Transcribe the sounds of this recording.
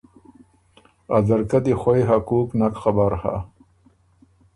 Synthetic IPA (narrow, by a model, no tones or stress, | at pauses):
azaɾkad̪ixwajɦakuːknakxabaɾha̰